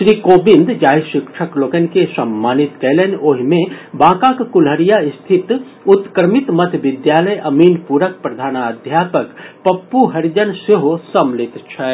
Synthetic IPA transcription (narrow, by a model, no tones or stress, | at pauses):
ʃɾiːkoːbĩnd̪d͡ʒaːjʃɪkʂʰəkloːkənkesɐmːaːnit̪kɛlenoːɦimẽbãːkakkulɦəɾijaɪst̪ʰɪt̪ | ut̪kɾmit̪mɐt̪ʰʋɪd̪jaːləjʔɐmiːnpuɾək̚pɾɐd̪ʱaːnaːd̪ʱjaːpəkpɐpːuɦɐɾd͡ʒənseɦosɐmlɪt̪t͡ʃʰɛ